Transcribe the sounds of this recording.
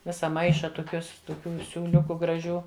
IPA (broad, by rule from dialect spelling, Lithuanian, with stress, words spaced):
ˈʋʲɪsɐ ˈmɐɪʃɐ toːˈkʲuɔs toːˈkʲuː sʲuːˈlʲʊkʊ ɡrɐˈʒʲuː